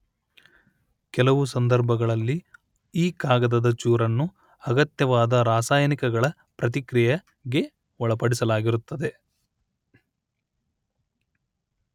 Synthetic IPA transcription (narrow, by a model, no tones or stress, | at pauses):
kɛlɐʋusɐnd̪ɐɾbʱɐɡɐɭɐlːi | iːkaːɡɐd̪ɐd̪ɐt͡ʃuːɾɐnːu | ɐɡɐt̪jɐʋaːd̪ɐɾaːsaːjɐnikɛɡɐɭɐ | pɾɐt̪̬ikɾijɐ | ɡe̞ | ɔɭɐpɐɽisɐlaːɡiɾut̪ːɐd̪e̞